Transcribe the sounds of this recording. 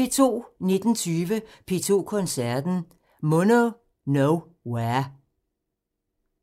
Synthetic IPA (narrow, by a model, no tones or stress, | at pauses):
e̝t͡sʰo̝̰ːne̝d̥n̩t͡sʰyːʋəpʰe̝t͡sʰo̝̰ːkʰɔ̽nsæɐd̥n̩ | mɔno | noʊ | weɐ